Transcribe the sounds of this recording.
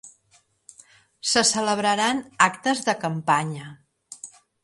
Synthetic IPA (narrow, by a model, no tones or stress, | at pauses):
səsələβ̞ɾəɾanakt̪əzðəkəmpaɲə